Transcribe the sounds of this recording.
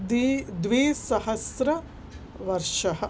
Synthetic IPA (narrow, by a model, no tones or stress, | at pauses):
d̪d̪ʋeːsɐɦɐsɾɐ | ʋɐɾʃɐɦɐ